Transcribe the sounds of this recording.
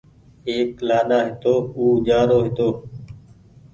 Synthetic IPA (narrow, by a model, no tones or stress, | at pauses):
eːklaːɗaːɦɪt̪oːuːʄaːnoːɦɪt̪oː